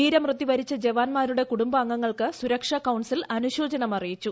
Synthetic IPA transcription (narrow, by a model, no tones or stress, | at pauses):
iːɾɐmrɨt̪ːiʋɐɾit͡ɕːɐd͡ʑeʋaːnmaːɾuɽe̞kuɽumbɐːŋːɐŋːɐɭkɨsuɾɐkʂɐkɐwɳsilɐnuɕo̞ːd͡ʑɐnɐmɐrijit͡ɕːu